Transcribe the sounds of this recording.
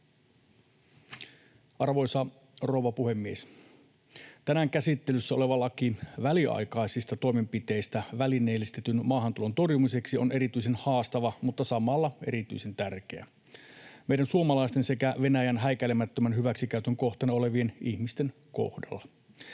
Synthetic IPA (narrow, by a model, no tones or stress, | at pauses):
ʔɑrʋo̞jsɑ | roʋɑpuhe̞mːies | t̪ænæŋkæsit̪ːe̞lysːæo̞le̞ʋɑlːɑkiʋæliʔɑ̰jkɑjsist̪ɑt̪oime̞mpit̪e̞ist̪æʋælineːlist̪et̪ynmɑːɦɑnt̪ulo̞nt̪o̞rjumise̞ksio̞ne̞ɾit̪yise̞nhɑːst̪ɑʋɑmut̪ːɑsɑmɑlːɑe̞̰ɾit̪y̰ise̞nt̪ærke̞æ̰ | meiɾænsuomɑlɑist̪ense̞kæʋe̞næjænɦæjkælemæt̪ːømænhyʋæksikæyt̪øŋko̞ht̪ɑneo̞le̞ʋie̞nihmist̪e̞n | ko̰hdɑ̰lːɑ